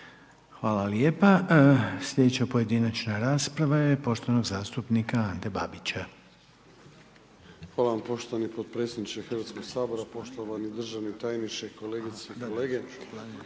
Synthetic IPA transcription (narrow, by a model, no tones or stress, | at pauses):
xʋaːlalje̞ːpasʎʲe̞d̪et͡ɕapo̞je̞d̪inat͡ʃnaɾaːspɾaʋaje̞po̞ʃt̪o̞ʋano̞ɡzaːst̪upnikaand̪eba̰bit͡ɕa | xʋaːlaʋampo̞ʃt̪oʋanipod̪̚pɾet̪sʲed̪nit͡ʃexrʋaːt̪sko̞ɡsaːbo̞ɾapo̞ʃt̪oʋanid̪r̩ʒaʋnit̪ajniʃeko̞leɡit̪sekoleːɡe